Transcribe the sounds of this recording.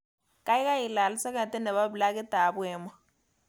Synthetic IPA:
kʼa˦i˦ka˦ji˨la˨li˦sa˦ka˨tʼɛ˦nɛ˨βa˦βu˨la˦k̬ɛ˦ta˨βwɛː˦ma˦

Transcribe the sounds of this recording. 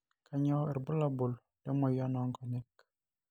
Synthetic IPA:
ka˨ɲɔ˦ɛ̰˨ɾbo˦la˦bo˨l | tɛ˦mɔ˨jɔ˦nɔ˦ŋkɔ˨nɛ˦k

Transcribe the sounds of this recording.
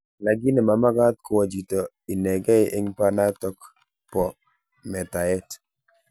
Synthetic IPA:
la˨ɡi˦nɛ˨ma˨ma˦ɡa˦t̪̚kɔ˨wɔ˨d͡ʒi˨tɔ˨ | i˨nɛ˨ɡɛ˦ɪ˦ʔe˦ŋpa˦na˦tɔ˦k | pɔ˨ | mɛ˨ta˨ɛ˦t

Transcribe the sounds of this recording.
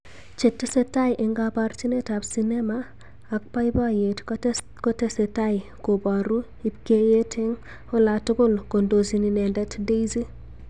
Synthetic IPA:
t͡ʃɪ˨tːe˦se˦ta˦jʔɪ˨ŋɡapa˦ɾt͡ʃi˦ne˦ta˨bsinɛ˦maː˨ | k̚pa˦jba˦je˨t | ko˦te˦se˨ta˦ɪko˨ba˨ɾu˦ | i˨pke˦je˦tʰɪ˦ŋ | o˦la˨tʊ˦ɡʊ˦lko˨ndo˨zi˨ni˨nɛ˨ndɛ˦tde˦jzi˦

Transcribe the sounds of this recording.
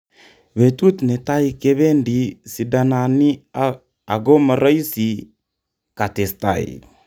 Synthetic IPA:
βe˨tu˦t̪ne˨ta˦i˦ke˦βe˦ndi˨si˨da˨na˨ni˦ | a˨ɡo˦ma˨ɾɔ˦i˦si˨ | ka˨te˨sta̰˨ḭ

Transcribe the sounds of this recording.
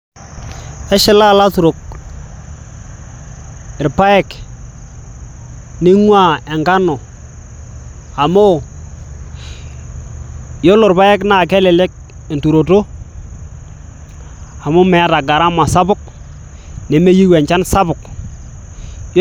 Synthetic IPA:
ɛ˦ʃɪ˦la˦la˦tu˨ɾo˨k̚ | ɪ˨ɾpa˦ɛ˦k | nɪ˦ŋwa˦˨e˨ŋɡa˦no˨ | a˨mo˦ | jo˦lʊ˨ɾpa˦ɛ˦kna˦˨k̬ɛ˦lɛ˨lɛ˦k̚ | e˨ntu˨ɾo˨to˦ | a˨mʊ˦mɛ˨a˦ta˨ɡa˨ɾa˦ma˨sa˦bʊ˦k̚ | ne˨me˦ji˦wɛ˨ɲt͡ʃa˦nsa˦bʊ˨k | j

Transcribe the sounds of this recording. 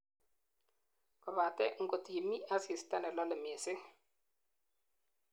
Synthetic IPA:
kɔ˨βa˨tɛ˦ŋ̩˦˨ko˨ti˨mi˦a˦si˨sta˦nɛ˨lɔ˦lɪ˨me˨sɪ˦

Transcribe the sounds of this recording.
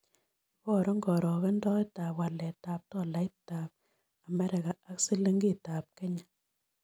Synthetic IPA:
i˦bɔ˦˨ɾɔ˦ŋɡɔ˨ɾɔ˨ke˦ndɔ˦i˦ta˨pwa˨lɛ˨ta˨p̚tɔ˦˨la˨ɪ˦ta˨p̚ | a˨mɛ˦ɾɪ˨ka˨a˦kse˦le˦ŋɡi˦˨ta˨p̚kɛ˦ɲa˨

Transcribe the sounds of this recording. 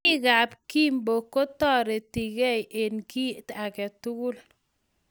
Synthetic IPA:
i˦ka˨pki˦mbo˨ko˦tɔ˦ɾe˨ti˨kɛ˦jʔe˨nki˦ta˨kɛ˨tʊ˦ɡʊ˦l

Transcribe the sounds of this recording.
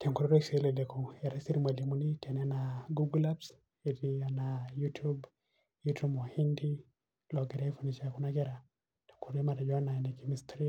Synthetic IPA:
te˨ŋku˨ɾɔ˦ɾe˦ksle˨le˨ko˨ɛ˨ɾa˦si˦ɾi˦ma˨li˨mu˦ni˦tʰɛ˨nɛ˦a˦na˨ɡu˦ɡla˦ps | e˨dia˨na˨jutʰu˦b | jutu˦mwa˨hi˦ndi˦ | lɔ˨ɡɛ˨ɾa˦i˦fu˨ni˨t͡ʃa˦˨ku˦na˦ɡɛ˦ɾa˨ | te̥˨ŋkʰu˨ɾe˦ma˨ta˨d͡ʒɔ˦a˦na˨ne˨ki˨mi˨stɾi˦

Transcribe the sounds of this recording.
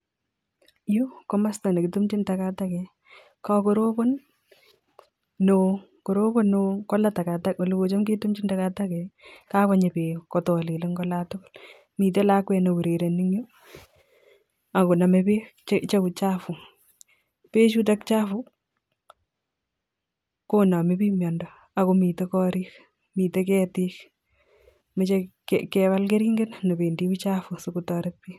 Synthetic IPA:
ju˦kɔ˦ma˦sta˨ne˨kɪ˨tu˦mt͡ʃi˦ntakatakɛ˨ | kako˦ɾo˦bo˦n | o | ko˨ɾo˦bo˦nːokɔ˦la˦ta˨ka˨ta˦ko˨li˨ko˨t͡ʃo˦mke˦tu˦mt͡ʃi˦ndakatakɛka˦ka˦ɲe˨pe˨kɔ˨tɔ˨li˨le˦ŋɡɔ˦latʊ˦kl | miː˨t̬e˦la˦kwɛ˨no˨wu˨ɾe˨ɾe˨niŋjo˦ | a˨ko˨na˨mepe˦t͡ʃt͡ʃe˦ku˨t͡ʃafu˨ | pe˦t͡ʃu˦t̬a˦kt͡ʃa˦fu | ko˦na˨mi˦piː˦mjɔndɔ | a˨komi˨te˦kɔɾiːk | miː˨te˦kɛːtik | me˦t͡ʃekkɛβa˦lke˦ɾi˦ŋɡe˦nno˨be˨ndi˦kut͡ʃafusukutɔɾe˦t̚pi˦

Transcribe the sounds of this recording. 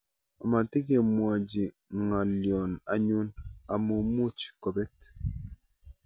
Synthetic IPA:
ɔ˨ma˨ti˦ke˨mwa˨d͡ʒi˨ | ŋa˨ljɔ˨na˨˦ɲu˦na˨mu˨mu˦t͡ʃkɔ˨bɛ˦t

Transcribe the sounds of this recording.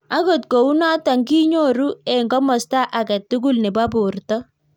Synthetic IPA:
a˦ko˨t̚ko˨u˦na˦ta˨ŋɡi˦ɲo˦ɾu˦ɛ˨ŋɡɔ˦mɔ˨sta˦ʔa˨kɛ˨tːu˦ɡu˦lnɛ˨ba˦bʊ˨rtɔ˦

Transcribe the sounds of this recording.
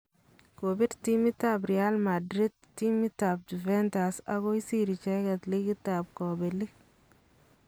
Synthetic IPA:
ko˨bi˦ɾti˦mi˦ta˦bɾi˨a˦lma˨dɾi˦d̚ | tːi˦mi˦ta˨b̚du˨vɛ˦nta˨sa̰˨ɡo˦i˦si˦ɾi˨t͡ʃɛ˦ɡa˨t̪li˦ɡi˦tːa˨b̚kɔ˨be˨li˦

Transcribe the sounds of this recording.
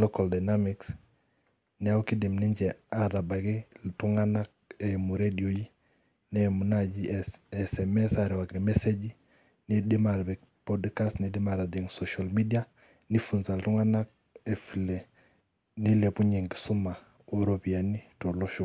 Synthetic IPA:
loka˨lda˨na˦miks | ni˨a˦u˦ki˦di˨mni˦ɲd͡ʒeaɾa˨ba˨ɡi˦ltu˦ŋana˦k̚emu˨ɾedi˨o˨ji˦ | ne˦mu˨nad͡ʒieseme˦saɾewa˨knime˦se˦d͡ʒi | ni˦di˦ma˨ɾbik̚podkastni˨di˦ma˨ɾa˨di˨ŋsoʃalmi˦dia˦ | ni˦funsa˨ltu˦ŋa˦na˦k̚ | efile˨ | ni˦lepu˦ɲi˨ŋɡisu˦ma˨ | uɾopi˨a˨ni˦to˨loʃu

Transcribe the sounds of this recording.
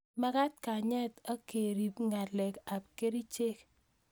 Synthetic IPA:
ma˦ka˦t̚ka˨ɲɛ˦ta˦ke˨ɾi˨pŋa˨lɛ˨ka˨p̚ke˦ɾi˦t͡ʃe˦k

